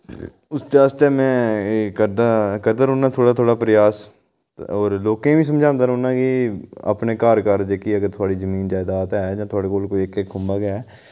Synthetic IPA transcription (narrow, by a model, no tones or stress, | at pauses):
ʊsd͡ʒaːst̪eːmɛ̃ːəd̪akəɾd̪aːɾõːnaːt̪ʰoːɽaːt̪ʰoːɽaːpɾəjaːs | oːɾloːkẽːʋĩːs̬əmd͡ʒãːnd̪aːɾõːnãːkɪə̰pneːkaːɾkaɾd͡ʒeːkiːəɡəɾt̪ʰʊaːɽiːzəmiːnd͡ʒaːɪd̪aːt̪ɛːd͡ʒãːt̪ʰoaːɽeːkoːlkoːiekekɡʊmbaːɡɛː